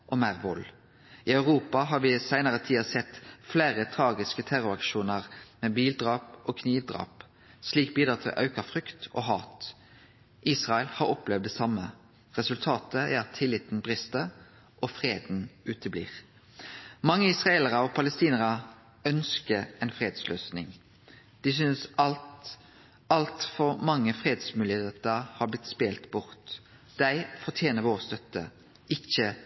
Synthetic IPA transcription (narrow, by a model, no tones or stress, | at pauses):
ʔɔmæʁʋʊl | ɪɑʉʁuːpɑɦɑʁʋɪsæɪnəʁət̪ʰiːɑsɛt̪flæːʁət̪ʰʁɑːɡɪskət̪ʰæɾʊɾɑkʃuːnəʁmeːbiːld̪ʁɑːpʔokʰniːʋd̪ʁɑ̰ːp | sliːk̚biːd̪ʁɑt̪ʰɪ̰lʔɑ̰ʉkəfʁʏkt̪ɔ̰ːɦɑːt̪ | ʔiːsʁɑɛlhɑɾɔplɛʋd̪ɛsɑmːə | ʁɛsʉlt̪ʰɑːt̪əæ̰ɾɑt̪ʰːɪlɪt̪n̩bʁɪst̪ə | ʔɔfʁeːd̪n̩ʉːt̪ʰəblḭːʁ | mɑŋːəɪsʁɑeːləʁəɔpʰɑləst̪iːnəʁə | œnskəɾɛnfʁeːd̪sløːsnɪ̰ŋ | d̪̥ɪsʏnsɑ | ɑlt̪fɔɾmɑŋːəfʁeːd̪smʉːlɪheːt̪əʁhɑblɪt̪speːlt̪bʊʁt̪ | d̪̥æɪfɔʁt̪ʰjeːnəʋoːʁst̪œt̪ːə | ɪçːə